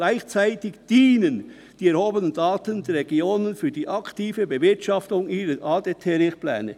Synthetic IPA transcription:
laɪçt͡saɪtɪçd̥iːnən | d̥iːɛʁhoːbənəndaːtəndɛɾːeɡioːnənfyːɐd̥iːʔɑktiːvəbəvɪɐtʃɑftʊŋʔiːɾəʔɑːdetʰɛɾɪχplɛ̰ːnə̰

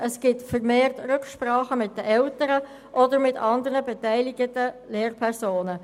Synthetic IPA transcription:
ʔəsɡ̥ɪtfəɾmeːrtɾʏkʃpɾɑːχəmɪt̚d̥əʔɛltəɾə | ʔɔdəɾmɪtʰɑndəɾəbɛtæɪlɪɡətəleːrpʰɛrsoːnə

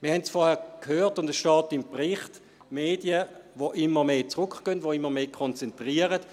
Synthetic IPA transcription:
mɪɐhɛntsfɔːɐhɛːɐkhøːtʊndəsʃtɑːtɪmpʁɪχt | meːd̥jəvoʔɪmːəmeːt͡sʁʊkɡ̥œntvʋoɪmːəmeːkʰɔnt͡sɛntʁiəʁət

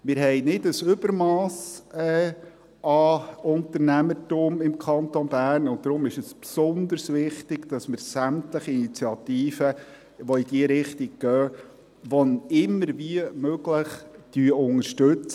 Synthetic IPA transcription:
mɪɾɦɛɪnɪdəsʏbəɾmɑːsɛː | ɑʊnt̪əɾnæmətuːmɪmkʰɑnt̪onbæːɾnʊnt̚d̥̪ɾʊmɪʃəspsʊnd̪əɾsʋɪχtɪɡ̥d̥ɑsməɾsæmtləχiinit͡siɑt̪iːfə | ʋɔid̥iəɾɪχtiɡ̚ɡ̥œː | ʋɔnɪmːəɾʋiəmøɡləχd̥yːəʊŋəɾʃtøt͡s

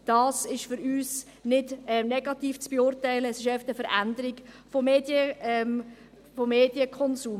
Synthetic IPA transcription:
d̥ɑːsɪʃfʏɾyːs | nɪdɛnɛɡɑt̪iːft͡sb̥eʊrtɛɪləːsɪʃœftəfəɾændəɾɪɡ̥ | fɔmeːd̥jəɛm | fɔmːeːd̥jəkʰɔnsuːm

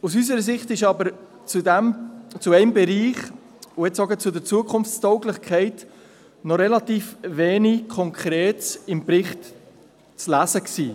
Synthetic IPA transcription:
us̬ys̬əɾəs̬ɪχtɪʃɑbəɾ | t͡sudɛmt͡suɛɪmbɛɾiːχ | uɛtsɔɡət͡sʊdɛɾt͡suəkʰʊnft͡stɔʊɡlɪχkʰχɛɪt | nɔɾɛlɑt̪iːfʋeːnikʰɔŋkʰχɾɛːtsɪmpɾɪχt | t͡slæsəksiː

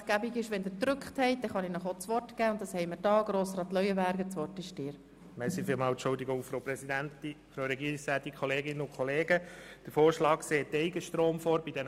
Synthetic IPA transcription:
tɡ̥æbiɡɪʃʋɛndədrʏkχthɛɪd̥ɛχɑnɪnɔχot͡sʋɔrtɡ̥æːʊnt̚d̥ɑshɛɪməɾdɑːɡ̥ɾoːsrɑːt̪lœʏəbæɾɡət͡sʋɔrtɪʃd̥ɪːɾ | mɛsifiːlmɑːltt͡ʃʊld̪iɡʊŋfɾoʊpɾɛsid̪ænti | fɾowɾɛɡiːɾiksæːt̪̚ikʰχɔleːɡɪnːəʊnkʰχɔleːɡəd̥əɾfoːɾʃlɑːkkseːt̪ːɛɪɡəʃtɾoːmfoːɾb̥id̥̪ɛn

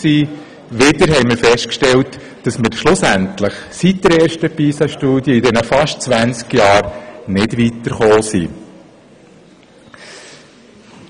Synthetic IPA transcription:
siː | ʋɪdəɾɦɛɪməɾfɛstkʃtɛlt | d̥ɑsmɪɾʃlʊsæntləχsit̚d̥əɾɛːɾʃtəpiːsɑʃtuːdjəidɛnəfɑʃtt͡sʋænt͡skjɑːɾnɪdʋitəɾχoːsḭ

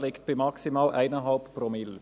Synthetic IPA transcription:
lɪkt̚b̥ɪmɑksimaːlʔæ̰ɪnəɦɑlppromɪl

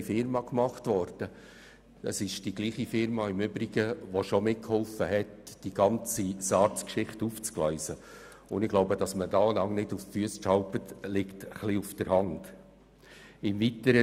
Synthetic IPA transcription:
fɪɾmɑkmɑχtvɔɾd̥ə | əsɪʃd̥iɡliːχifɪɾmɑɪmʏbɾiɡəʋoʃɔmɪt̚khɔlfəɦɛtd̥iɡ̥ɑnt͡sisɑːɾt͡skʃɪχtuːft͡sklœɪsə | ʊndɪɡ̥loʊbəd̥ɑsməd̥ɑːlɑŋnɪduffyəsʃɑlpətlɪktχliufd̥əɾhɑnd̥ | ɪmvitəɾə

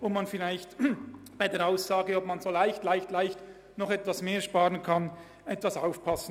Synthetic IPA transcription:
ʊmmanfɪlaɪçtb̥aɪdeːɐɾaʊsaːɡəɔb̚manzoːlaɪçtlaɪçtlaɪçt | nɔχɛtv̥asmeːɐʃpaːʁənkʰɑn | ʔɛtv̥asaʊfpʰɑsn̩

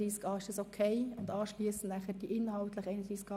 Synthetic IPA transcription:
iːskɑːɪʃd̥ɑsokʰeɪʊndɑːʃliəsn̩næχəɾd̥iʔɪnhɑltləχɛɪnəriːskɑː

